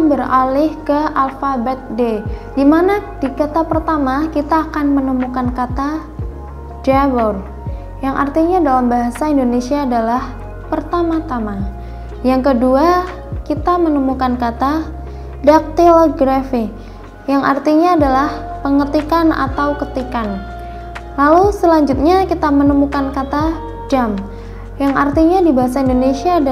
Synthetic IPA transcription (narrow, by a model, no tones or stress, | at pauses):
mbəralɪhkəalfabɛt̪̚dedimanadikat̪apərt̪amakit̪aːkanmənəmukankat̪a | d͡ʒabɔr | jaŋʔa̰rt̪iɲadalambaɦasaindonesiaːdalah | pərt̪amat̪ama | jaŋkədua | kit̪amənəmukankat̪a | dak̚t̪ilɡɾafi | jaŋʔa̰rt̪iɲaːdalahpəŋət̪ikana̰t̪awkət̪ikan | lalusəlaɲd͡ʒʊt̪̚ɲakit̪amənəmukankat̪a | d͡ʒam | jaŋart̪iɲadibaɦas̬aindonesiaːda